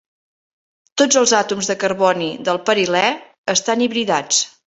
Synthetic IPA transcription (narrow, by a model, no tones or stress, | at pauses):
t̪od͡zəlˠzat̪umzðəkəɾβɔniðəlˠpəɾilɛ | əst̪aniβɾiðat͡s